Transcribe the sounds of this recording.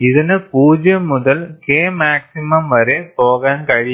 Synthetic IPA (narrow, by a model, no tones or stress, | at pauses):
ɪðɐnɯpuːd͡ʒɐmːʊðɐlkeːmaːksɪmɐmʋɐɾeːpoːɣɐːnkɐɻɪ